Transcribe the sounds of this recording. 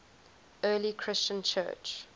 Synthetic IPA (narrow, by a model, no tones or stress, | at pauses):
ɜːlikʰɹ̥ɪst͡ʃə̃nt͡ʃʰɜ̰ːt͡ʃ